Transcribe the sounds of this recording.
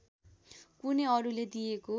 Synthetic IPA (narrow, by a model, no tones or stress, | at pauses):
kuneʌɾuled̪ijeko